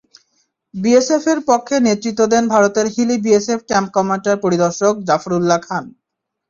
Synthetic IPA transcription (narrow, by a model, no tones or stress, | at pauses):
biesefeɾpokʰːenet̪ːɾit̪ːod̪enbʱaɾot̪eɾɦilibiesepʰkɛmp̚kɔmaɳʈaɾpoɾid̪ɔɾʃok̚d͡ʑafɾulːakʰan